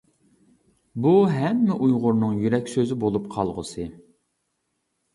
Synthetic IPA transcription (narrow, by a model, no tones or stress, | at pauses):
buɦɛmːɪʔujʁʊɾnɨŋjyɾɛkʲsøzɪbolˠupqʰɑlˠʁəsɨ